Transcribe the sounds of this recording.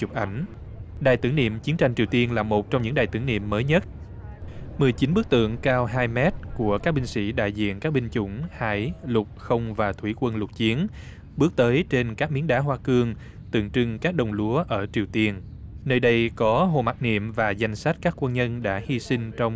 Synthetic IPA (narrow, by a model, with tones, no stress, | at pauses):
t͡ɕʊ˨˩k͡p̚ʔa˧˩jŋ̟ | ɗaː˨˩jt̪ɨ˧˩əŋnḭ˧˨əmt͡ɕi˨˦ənt͡ɕa˧jŋ̟t͡ɕi˨˩əwt̪i˧ənlaː˨˩mo˨˩t̚t͡ɕɔ˧wŋ͡mɲɨ̰˧˥ŋɗaː˨˩jt̪ɨ̰˧˩ənḭ˧˨əmːəː˨˦jɲə˦˥t̚ | mɨ˨˩əjt͡ɕi˨˦nɓɨ˦˥ək̚t̪ɨ̰˧˨əŋkaː˧wɦaː˧jmɛ˦˥t̚ku˧˩əkaː˦˥k̚ɓï˧ŋ̟sḭ˧˥ɗa̰ː˧˨jzḭ˧˨ənkaː˦˥k̚ɓï˧ŋ̟t͡ɕʊ̰˧˥˩ŋ͡mha̰ː˧˩jlʊ˨˩k͡p̚xə˧wŋ͡mvaː˨˩t̪ʰwi˧˩kwə˧nlʊ˨˩t̚t͡ɕi˨˦ən | ɓɨ˦˥ək̚t̪əː˨˦jt͡ɕe˧nkaː˦˥k̚mi˨˦ənɗaː˨˦ɦwaː˧kɨ˧əŋ | t̪ɨ̰˧˨əŋt͡ɕɨ˧ŋkaː˦˥k̚ɗə˨˩wŋ͡mlu˨˦əʔəː˧˩t͡ɕi˨˩əwt̪i˧ən | nəː˧jɗə˧jkɔ˨˦ɦo̰˧˨ma˨˩t̚nḭ˧˨əmvaː˨˩za˨˩jŋ̟sa˦˥t̚kaː˦˥kːwə˧nɲə˧nɗa̰ː˧˥hi˧si˧ŋ̟t͡ɕɔ˧wŋ͡m